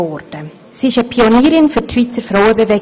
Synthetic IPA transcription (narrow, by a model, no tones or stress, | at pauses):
ɔrd̥ə | siɪʃəpʰioniːɾɪnfytʃʋiːt͡səfrawəbevɛ